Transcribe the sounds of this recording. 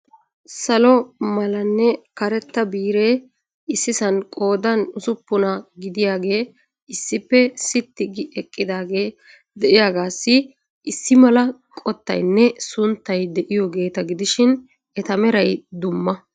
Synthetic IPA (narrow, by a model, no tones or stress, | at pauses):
sɐlɔmɐlɐnːɛkɐɾɛt̪ːɐbiːɾe̞ː | ɪsːɪsɐnkʼo̞ːd̪ɐnʊsʊpːʊnɐɡɪd̪ɪjaːɡe̞ː | ɪsːɪpːɛsɪt̪ːɪɡɪɛkʼːɪd̪aːɡe̞ː | d̪ɛʔɪjaːɡaːsːɪ | ɪsːɪmɐlɐkʼɔt̪ːɐ̰jnːɛsʊnt̪ːɐjd̪ɛʔɪjɔɡe̞ːt̪ɐɡɪd̪ɪʃɪn | ʔɛt̪ɐmɛɾɐjd̪ʊmːɐ